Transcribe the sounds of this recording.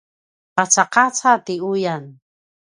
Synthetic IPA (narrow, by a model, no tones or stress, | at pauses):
qat͡saqat͡sat̪iujan